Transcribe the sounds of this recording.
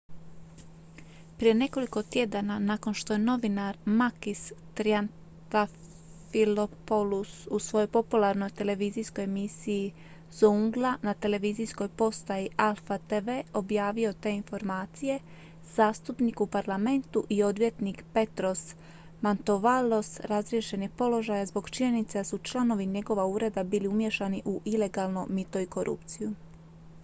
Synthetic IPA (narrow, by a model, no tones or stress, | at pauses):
pɾije̞ne̞ko̞liko̞t̪je̞d̪ananaːko̞nʃt̪o̞jeno̞ʋinaɾmakist̪ɾian | t̪a | filopolususʋo̞jo̞jpo̞pulaɾno̞jt̪e̞le̞ʋiːziːsko̞jemisii | zouŋɡlˠanat̪e̞le̞ʋiːziːsko̞jpo̞st̪ajiʔalˠfat̪eʋe̞ːo̞bjaːʋio̞t̪e̞info̞ɾmaːt̪sije̞ | z̥aːst̪upnikupaɾlˠame̞nt̪uʔio̞d̪ʋjet̪nikpe̞t̪ɾo̞s | mant̪o̞ʋalo̞sɾazɾie̞ʃe̞nepo̞lo̞ʒajazbo̞ɡt͡ʃiɲe̞nit̪sed̪asut͡ʃlˠano̞ʋiɲe̞ɡo̞ʋauːɾe̞d̪abiːliumje̞ʃaniʔuʔile̞ɡalˠnomit̪o̞iko̞ɾʔṵpt̪siju